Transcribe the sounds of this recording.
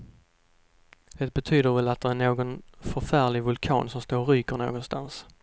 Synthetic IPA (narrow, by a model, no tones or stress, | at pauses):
d̪̥ɛt̪̚bɛt̪ʰyːd̪əɾvɛlat̪̚d̪ɛɾæɳoːɡɔnfœɾfæːɭɪɡvʊlkʰɑ̰ːnsɔmst̪oːɾːyːkəɾɳo̰ːɡɔnst̪a̰ns